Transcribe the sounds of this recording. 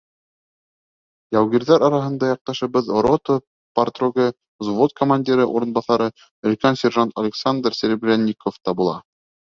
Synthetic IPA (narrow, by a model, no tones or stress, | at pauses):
jɑwɣiɾðæɾɑɾɑɦɤ̆nd̪ɑjɑq̚t̪ɑʃɤ̆βɤðɾot̪o | part̪roɡɤ | zvot̪̚kʰomanʲdʲiɾɤʔuɾɤ̆nbɑθɑɾɤ | ɵ̆lʲkænsʲerʒant̪ɐlʲɪksand̪rsʲɘɾʲbrʲænʲːikoft̪ɑbulˠɑ